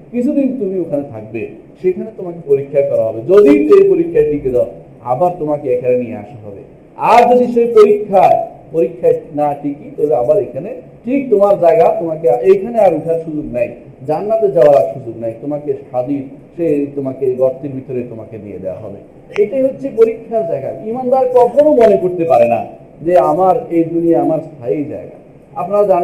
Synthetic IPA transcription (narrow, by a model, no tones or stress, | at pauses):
kit͡ɕʰud̪int̪umiokʰanet̪ʰak̚be | ʃekʰanet̪omakepoɾikʰːakɔɾaɦɔbed͡ʑod̪iʃejpoɾikʰːaeʈiked̪ɔ | a̰baɾt̪omakeekʰanenijea̰ʃaɦɔbḛ | aɾd͡ʑod̪iʃejpoɾikʰːapoɾikʰːaenaʈikit̪ɔbeabaɾejkʰane | ʈʰik̚t̪omaɾd͡ʑaeɡat̪omakeaejkʰaneaɾut̪ʰaɾʃud͡ʑuknaj | d͡ʑanːat̪ed͡ʑaoaɾaɾʃud͡ʑuknajt̪omakeʃad̪i | ʃet̪omakeɡɔɾt̪ːiɾbʱit̪oɾet̪omaked̪iḛd̪ewa̰ɦɔ̰bḛ | eʈajɦotːɕʰepoɾikʰːaɾd͡ʑaeɡa̰imamd̪aɾkɔt̪ʰonomonekoɾt̪epaɾena̰ | d͡ʑeamaɾejd̪unieamaɾst̪ʰajejd͡ʑa̰eɡa̰ | apnaɾad͡ʑan